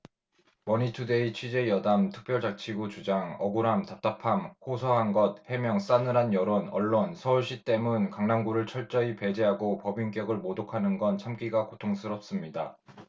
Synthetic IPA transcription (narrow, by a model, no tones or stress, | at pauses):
mʌɲitʰude̞it͡ɕʰɥid͡ʑe̞jʌdamtʰɯ̥k̚p͈jʌɭt͡ɕak̚t͡ɕʰiɡut͡ɕud͡ʑaŋʌɡuɾamtap̚t͈apʰamhosʰʌɦanɡʌt̚he̞mjʌŋs͈anɯɾanjʌɾonʌɭːonsʰʌuɭɕ͈it͈e̞munkaŋnaŋɡuɾɯɭt͡ɕʰʌɭt͡ɕ͈ʌipe̞d͡ʑeɦaɡopʌbink̬͈jʌɡɯɭmodokʰanɯnɡʌnt͡ɕʰamk͈iɡakotʰoŋsʰɯɾʌp̚s͈ɯmɲida